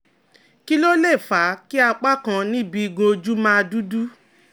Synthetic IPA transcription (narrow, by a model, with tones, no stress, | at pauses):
ki˦lo˦le˦˨fa˨˦ki˦a˧k͡pa˦kã˧nĩ˦bi˧i˧ɡũ˧o˧d͡ʒu˦mãː˦˧du˦du˦